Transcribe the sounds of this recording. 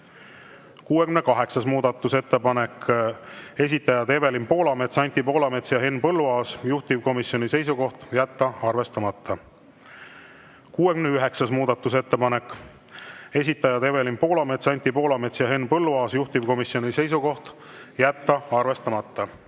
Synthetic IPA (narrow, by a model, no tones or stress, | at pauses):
kuːe̞kymne̞kɑɦe̞ksɑsmuːd̪ɑt̪ːˑuse̞t̪ːe̞pɑne̞k | e̞s̬ʲit̪ːˑɑjɑd̪e̞ve̞limpo̞ːlɑme̞t̪sɑnʲt̪ːˑipo̞ːlɑme̞t̪sjɑɦe̞npɤlːuɑːsjuht̪ivko̞misjo̞nʲise̞js̬uko̞ht̪jæt̪ːɑɑrve̞st̪ɑmɑt̪ːˑɑ | kuːe̞kymneyɦe̞ksɑsmuːd̪̥ɑt̪ːˑus̬e̞t̪ːe̞pɑne̞kːˑ | e̞s̬ʲit̪ːˑɑjɑd̪e̞ve̞limpo̞ːlɑme̞t̪sɑnʲt̪ʲːipo̞ːlɑme̞t̪sjɑɦe̞nːpɤlːuɑːsjuht̪ivko̞misjo̞nʲise̞js̬uko̞ht̪ | jæt̪ːɑɑrve̞st̪ɑmɑt̪ˑːɑ